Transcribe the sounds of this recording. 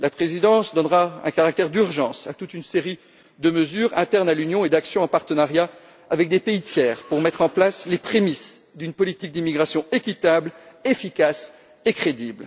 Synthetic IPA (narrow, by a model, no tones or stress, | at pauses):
lapχezid̪ɑ̃sd̪ɔnʁaɛ̰̃kaʁak̚t̪ɛʁd̪yʁʒɑ̃sa̰t̪ut̪ynseʁi | d̪əməzyːʁɛ̃t̪ɛʁnalynjɔ̃ed̪aksjɔ̃ɑ̃paʁt̪ənaʁja | avɛk̚d̪epeit̪jɛːʁpuʁmɛt̪χɑ̃plaslepχemis | d̪ynpɔlit̪ik̚d̪imiɡʁasjɔ̃ekʲit̪ablefikʲas | ekχed̪ibl